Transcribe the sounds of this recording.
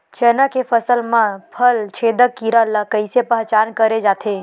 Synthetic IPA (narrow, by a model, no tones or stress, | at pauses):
t͡ʃɛːnakepʰəsəlmãpʰəlt͡ʃʰeːd̪əkːiɾələkəɪsepəɦt͡ʃaːnkəɾed͡ʒaːt̪ʰe